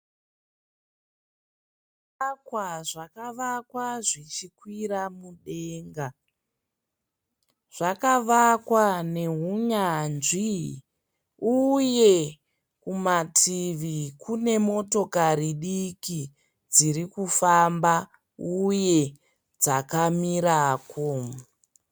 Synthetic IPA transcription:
akwaʐakaʋakwaʐit͡ʃikwiɾamuɗeŋɡa | ʐ̥akaʋakwane̞ɦuɲanʐi | uje̞ | kumatʰiʋikune̞mo̞to̞kaɾiɗiki | d͡zirikufamba | uje̞ | d͡zakamiɾaːkʰo

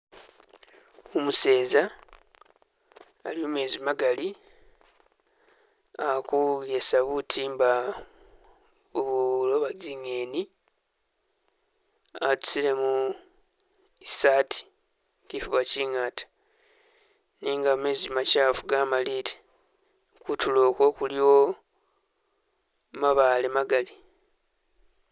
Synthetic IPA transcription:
omuse̞ːza | liomwe̞ːzimaɡali | akujesaβutʰiːmba | uβulo̞βaɟiŋe̞ːni | atu̥sile̞mu | isatʰi̥ | cifuβaciŋatḁ | niːŋɡamezimacaːfuɡamaliːte | kutulo̞ːko̞ːkulio | maβalemaɡali

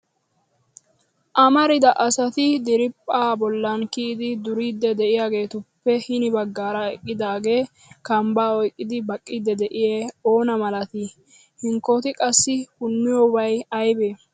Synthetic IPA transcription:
ʔɐmɐɾɪd̪ɐʔɐsɐt̪ɪd̪ɪɾɪpʼːaːbɔlːɐnkiːd̪ɪd̪ʊɾiːd̪ːɛd̪ɛʔɪjaːɡe̞ːt̪ʊpːɛhɪnɪbɐɡːaːɾɐɛ̰kʼːɪd̪aːɡe̞ː | kɐmbaːɔjkʼːɪd̪ɪbɐkʼːɪd̪ːɛd̪ɛʔɪjeo̞ːnɐmɐlɐt̪ɪ | hɪŋkːɔt̪ɪkʼɐsːɪhʊnːɪjɔbɐjɐjbeː

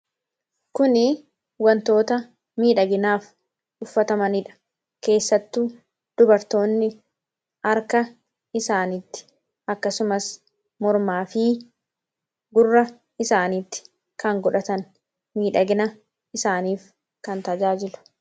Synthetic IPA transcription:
kʊnɪ | wɐnt̪o̞ːt̪ɐ | miːᶑɐɡɪnaːf | ʔʊfːɐt̪ɐmɐnɪᶑɐ̥ | ke̞ːsːɐt̪ːuː | d̪̥ʊbɐɾt̪o̞ːnːɪ | ɐɾkɐ | ɪsaːnɪt̪ːɪ̥ | ʔɐkːɐsʊmɐs | mɔɾmaːfɪ | ɡʊrːɐ | ɪsaːnit̪ːɪ̥ | kɐŋɡɔᶑɐt̪ɐn | miːᶑɐɡɪnɐ | ɪsaːniːf | kɐnt̪ɐd͡ʒaːd͡ʒɪlʊ̥

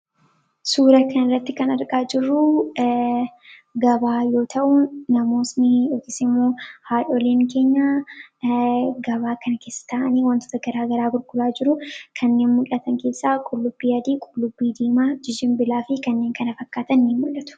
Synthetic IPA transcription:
suːɾɐkʰɐnɪrːɐt̪ːɪkɐnɐɾkʼaːd͡ʒɪrːʊ | ɡɐbaːjo̞ːt̪ʰɐʔʊnɐmo̞ːsnɪɔk̪ːɪsɪmːoːhaːᶑɔleːŋke̞ːɲːa | ɡɐβaːkɐnɐkeːsːɐ̥t̪aːʔɐniːwɐnt̪oːt̪ɐɡɐɾaːɡɐɾaːɡʊɾɡʼʊlaːd͡ʒɪɾʊkʰɐnːe̞ːnmʊlːɐt̪ɐŋke̞ːsːaːkʼʊlːʊbːiːɐd̪iːkʼʊlːʊbːiːd̪iːmaːd͡ʒɪd͡ʒɪmbɪlaːfɪkɐnːe̞ːŋkɐnɐfɐkːaːt̪ɐnːiːmmʊlːɐt̪ʊ̥

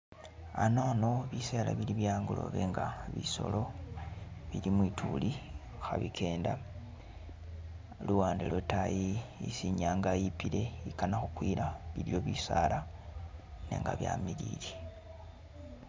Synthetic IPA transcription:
anoːno̞βiselaβiliβjaːŋɡulo̞̰βeŋɡaβiso̞̰lo̞ | βilimwiːtʰuli | xaβikʰe̞ːnda | luwaːndelotajiisiɲaːŋɡajipile̞ikanaxukwiɾaβilio̞βisala | nḛŋɡa̰βja̰miɾiːɾi

